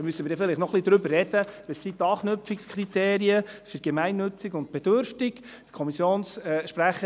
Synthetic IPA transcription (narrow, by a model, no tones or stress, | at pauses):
mysːəmɪːɾdɛfɪlɪχtnɔχlid̪ɾʏbərːɛd̥əʋəsːit̪ɑːχnɵp͡ffikskʰrit̪eːɾiəfyɾɡ̥emæɪnːɵt͡sɪɡʊnt̚b̥ɛd̥øɾftɪk | kʰɔmisjoːnsʃpɾæχə